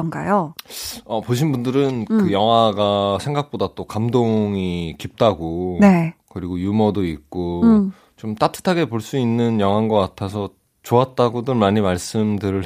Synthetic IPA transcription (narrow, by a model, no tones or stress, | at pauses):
ʌnɡa̰jo | ʌpoɕ̬ʰinbundɯɾɯnkɯjʌŋɦaɡasʰe̞ŋɡak̚p͈odat͈okamdoŋikip̚t͈aɡonekɯɾiɡojumʌdoik̚k͈o | t͡ɕomt͈atʰɯ̥tʰaɡe̞poɭs͈uinːɯnjʌŋɦanɡʌk͈atʰasʰʌ | t͡ɕoat̚t͈aɡodɯɭmaɲimaɭs͈ɯmdɯɾɯɭ